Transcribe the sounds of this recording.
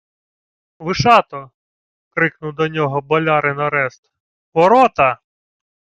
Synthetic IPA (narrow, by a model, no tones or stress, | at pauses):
ʋɪʃɑt̪ɔ | kɾɪknʊwd̪ɔnʲɔɦɔbɔlʲɑɾɪnɐɾɛst̪ | ʋɔɾɔt̪ɐ